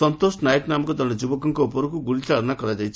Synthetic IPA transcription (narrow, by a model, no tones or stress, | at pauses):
ʌnt̪osnajeknamkɔd̪ʱʌed͡ʒubɔkɔŋkɔupɔɾukuɡuɽit͡saɽɔnakʌɾad͡zajʰ